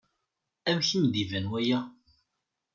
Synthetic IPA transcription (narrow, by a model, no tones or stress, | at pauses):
æmçəmðivænwæjæ